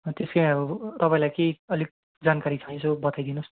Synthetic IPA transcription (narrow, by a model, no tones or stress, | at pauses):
t̪eskeaɾut̪ʌpaĩlajkeʌlik̚ | d͡zankaɾit͡sʰʌĩsʰobʌt̪ajd̪inus